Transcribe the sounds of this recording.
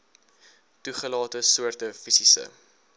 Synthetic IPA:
tuχəlɑːtəsuərtəfisisə̰

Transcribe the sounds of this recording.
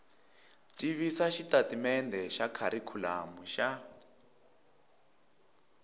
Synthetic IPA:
tʼiβisaʃitatimɛndʱɛʃakʰaɾikʰula̰muʃa

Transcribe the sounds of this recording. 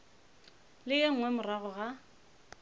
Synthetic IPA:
lɪeŋ̩wɛmʊraɣɔɣa

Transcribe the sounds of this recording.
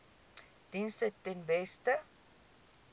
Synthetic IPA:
d̥instətɛnvɛstə

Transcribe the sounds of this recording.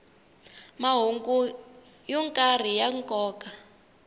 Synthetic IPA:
maɦuŋɡu | jɔŋkʼar̤ijaŋkʼɔːkʼa

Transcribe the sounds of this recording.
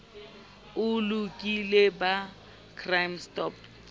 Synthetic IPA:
ʊlukʼileba | kʰrajmstɔp̚

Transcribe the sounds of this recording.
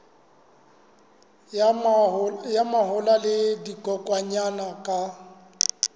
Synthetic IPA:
jamaɦʊlalɪdikʼɔkʼwaɲanakʼa

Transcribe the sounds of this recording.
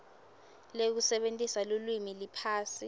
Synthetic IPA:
lek̬usɛɓentʼisalulwimilipʰaːsi

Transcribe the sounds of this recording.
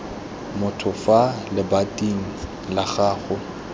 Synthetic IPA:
mʊtʰʊfalɪbatʼiŋ̩ | laχaːɣʊ

